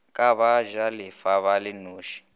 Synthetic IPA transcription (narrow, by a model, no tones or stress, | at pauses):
kʼaβaʒalifaβalɪnuːʃi̥